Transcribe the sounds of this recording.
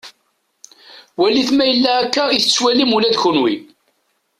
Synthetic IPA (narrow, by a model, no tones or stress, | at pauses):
wæliθmæjəlːæækːæiθət͡sːwælimulæd̪çʊnwḭ